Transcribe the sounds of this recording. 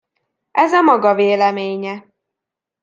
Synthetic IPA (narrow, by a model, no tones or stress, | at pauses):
ʔɛzɒmɒɡɒveːlɛmeːɲɛ